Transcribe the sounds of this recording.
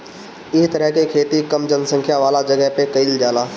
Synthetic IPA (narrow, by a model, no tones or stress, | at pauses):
ɪst̪ɐɾəɦkekʰeːt̪ikɐmd͡ʒɐnsɐ̃ŋkʰjaʋaːlad͡ʒɐɡəɦpekɐild͡ʒaːlaː